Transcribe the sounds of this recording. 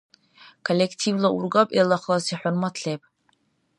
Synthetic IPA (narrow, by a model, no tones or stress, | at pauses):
kʰolʲːekʰtʰivlaʔurɡapʼelaχlasiħʊrmatʰɬejpʼ